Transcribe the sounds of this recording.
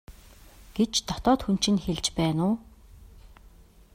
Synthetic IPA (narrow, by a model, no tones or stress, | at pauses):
ɡ̥et͡ɕt̪ɔt̪ɔːt̪xun̥t͡ɕɪ̆nxeɮt͡ɕpæːnʊː